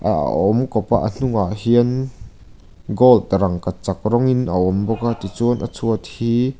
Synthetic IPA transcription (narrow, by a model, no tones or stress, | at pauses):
ʔa̰ʔɔmkɔpaʔən̥uŋaʔhiən | ɡɔlt̪ɾɐŋkat͡sak̚rɔŋinʔəɔmbɔkat̪it͡sunʔət͡sʰuət̪̚hiː